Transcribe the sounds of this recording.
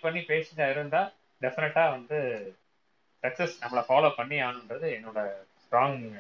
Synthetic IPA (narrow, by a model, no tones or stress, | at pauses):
pɐɳːipeːsɪʈːaːɪɾɯnd̪aː | ɖɛfɪnɛʈːaːʋɐnd̪ɯ | sɐksɛsnɐmːɐɭɐfaːloːpɐɳːiaːnɯɳɾɐðɯɛnːoːɽɐsʈɾaːŋ